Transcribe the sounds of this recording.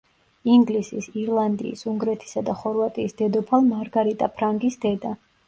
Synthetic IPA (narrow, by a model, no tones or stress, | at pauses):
iŋɡlisisiɾlˠand̪ḭːsuŋɡɾɛt̪ʰi̥sad̪aχɔɾvat̪ʼiːsd̪̥ɛd̪ɔpʰalˠmaɾɡaɾit̪ʼapʰɾaŋɡisd̪ɛd̪a